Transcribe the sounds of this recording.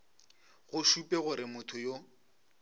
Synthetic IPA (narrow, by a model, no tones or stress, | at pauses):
ɣʊʃupʼɛɣʊɾɪmʊtʰʊjo